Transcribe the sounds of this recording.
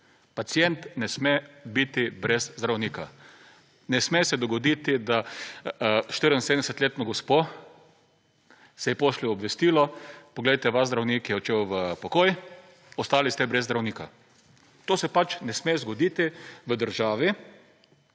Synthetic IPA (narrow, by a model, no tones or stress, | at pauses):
pat̪sijɛnt̪nɛsmɛbit̪ibɾɛzzd̪ɾawniːka | nɛsmɛsɛd̪ɔɡɔd̪iːt̪id̪a | ʃt̪əɾnsed̪nɛsɛt̪lʲeːt̪nɔɡɔspo | sɛjɛpoːʃliɔbʋɛst̪iːlɔpɔɡledjt̪ɛʋazzd̪ɾawniːkjɛɔt͡ʃewʋəpɔkoj | ɔst̪aːlist̪ɛbɾɛzd̪ɾawniːka̰ | t̪oːsɛpat͡ʃnɛsmɛzɡɔd̪iːt̪iʋəd̪əɾʒaːʋi